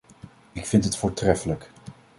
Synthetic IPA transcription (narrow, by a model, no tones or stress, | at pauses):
ɪkfɪntɦətfʊːɹtrɛfələk